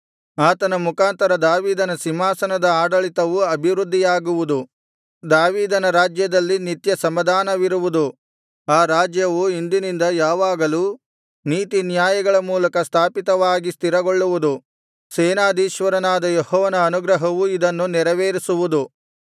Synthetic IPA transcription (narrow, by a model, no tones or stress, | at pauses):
aːt̪ɐnɐmukaːnt̪ɐɾɐd̪aːʋiːd̪ɐnɐsimaːsɐnɐd̪ɐaːɖɐɭit̪ɐʋuɐbʱiʋɾud̪ʱːijaːɡuʋud̪u | d̪aːʋiːd̪ɐnɐɾaːd͡ʒjɐd̪ɐlːinit̪jɐsɐmɐd̪ʱaːnɐʋiɾuʋud̪u | aːɾaːd͡ʒjɐʋuind̪inind̪ɐjaːʋaːɡɐlu | niːt̪injaːjɐɡɐɭɐmuːlɐkɐst̪ʰaːpit̪ɐʋaːɡist̪iɾɐɡoɭːuʋud̪u | seːnaːd̪iːʃʋɐɾɐnaːd̪ɐjehɔːʋɐnɐːnuɡɾɐɦɐʋuid̪ɐnːunɛɾɐʋeːɾisuʋud̪u